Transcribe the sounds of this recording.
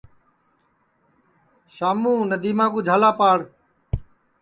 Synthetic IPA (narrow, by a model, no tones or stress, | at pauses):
ʃaːmũːnəd̪iːmãːɡuːd͡ʒʱaːlaːpaːɽ